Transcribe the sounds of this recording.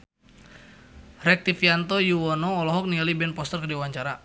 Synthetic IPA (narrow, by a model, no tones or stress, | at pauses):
rɛk̚t̪ifiant̪ɔjuwɔnɔːlɔɦɔk̚niŋalibɛnpɔst̪ərkədiwaɲt͡ʃaɾa